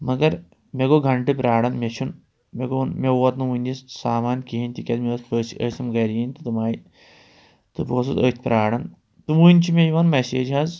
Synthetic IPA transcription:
mɐɡɐɾ | meɡoɡʱɐɳʈɨpɾaːɽɐnmet͡ʃʰun | meɡonmeɐt̪nɨʋunʲissaːmaːnkiɦinʲt̪ʲikʲɐd̪meɐspəːsiʔə̰ːsɐmɡɐɾijinʲt̪ɨt̪umaːi | t̪ɨboːs̬uzə̰ːt̪ʰʲpɾaːɽɐn | t̪umuːnʲt͡ʃʰimejiʋɐnmeseːd͡ʒɦaz

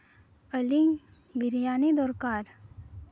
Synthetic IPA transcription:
əliŋ | bɪɾijaːnid̪ɔːɾkaːɾ

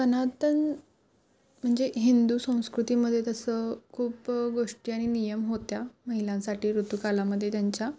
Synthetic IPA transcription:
kənat̪ən | m̤əɳd͡zeɦind̪uːsə̃w̃skɾut̪iməd̪ʱːjet̪əsəkʰuːpɡoʂʈiːaɽ̃inijəmɦot̪jaməɦiljãnsaʈiːɾut̪ukalaməd̪ʱːjet̪jaɲt͡ɕja

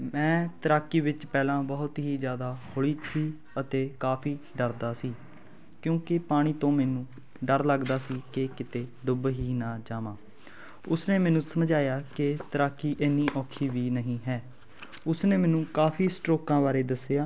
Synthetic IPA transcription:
mɛ̃ːt̪əɾaːkːiːʋɪt͡ʃpɛːlãːbəɦʊt̪ɦiːzjaːd̪aːhoɭiːtʰiː | ət̪eːkaːpʰiː | ɖəɾd̪aːsiː | kjõːkɪpaːɽ̃iːt̪õːmɛːnũː | ɖəɾləɡd̪aːsiːkekɪt̪eːɖʊbɦiːnaːd͡ʒaːmãː | ʊsneːmɛːnũːsəmd͡ʒaːjaːkɪt̪əɾaːkːiːʔeːniːʔɔːkʰiːʋiːnəɦĩːɦɛː | ʊsneːmɛ̃ːnũːkaːpʰiːsʈɾoːkãːbaːɾeːd̪əsejaː

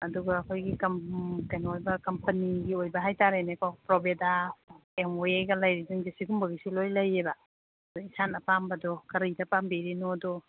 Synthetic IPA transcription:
ɐduɡaːkʰojɡikɐmkajnojbɐkɐmpɐniɡiojbɐɦajtaɾenekapɾobedaemoejɡɐlajɾiziŋɡesiɡumbɐɡisilojlɐjeba | dɔisanɐpambɐdɔkɐɾijdɐpambiɾinodɔ

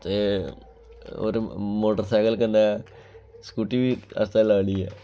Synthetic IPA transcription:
t̪e | o̰ːɾmoːʈəɾsaːkəlkə̃nd̪aɛ | skuːʈibiə̰st̪alaːɽiɛ̰ː

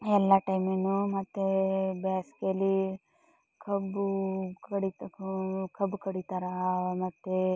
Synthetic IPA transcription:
ɛlːaʈɐjmenːumɐt̪ːebaːsi̥keɐlːi | kʰɐbukɐɽit̪kʰɐbkɐɽit̪aɾɐmɐt̪ːe

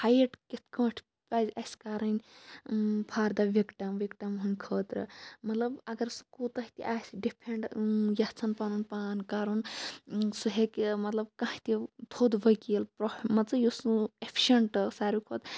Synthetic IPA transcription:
hajeʈkit̪ʰkɐ̃ːʈʰ | paːzasʲkaːɾɐnʲ | pʰaːɾd̪aʋʲikʈɐmʋikʈɐmɦunʲkʰəːt̪ɾɨ̰mɐt̪lɐbɐɡɐɾsu̥kut̪ɐɦit̪ḭʔaːsɖipʰeɳʈjat͡sʰɐnpanunpaːnkaːɾun | suɦekmɐt̪lɐb̚kãhit̪it̪ʰoːd̪bʱəjkielpɾomɐt͡sɐjusepʰi̥ʃeɳʈsaːɾikʰoːt̪

